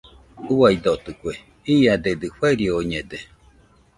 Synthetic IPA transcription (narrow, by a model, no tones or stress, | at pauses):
uwaid̪ot̪ɯkʷe | iad̪ed̪ɨɸweɾiooɲed̪e